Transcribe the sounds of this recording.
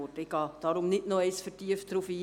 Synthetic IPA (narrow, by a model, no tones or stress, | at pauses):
otɪɡ̥ɑːd̥ɑɾʊmnɪdnoɛɪsfəɾtiəfd̥ɾufiː